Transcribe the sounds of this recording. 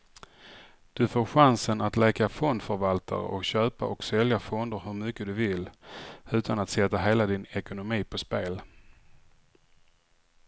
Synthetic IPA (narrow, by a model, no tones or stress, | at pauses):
d̪̥ɵfoːɾɧansənat̪lɛːkafɔnd̪fœɾvalt̪ʰa̰ɾə̰ʔɔkɕøːpa̰ʔɔksɛljafɔnd̪əɾɦɵɾmʏkːəd̪ɵvɪlʉ̟ːt̪ʰanat̪sɛt̪ːaɦeːlad̪ɪnɛkʊnʊmiːpʰɔspeːl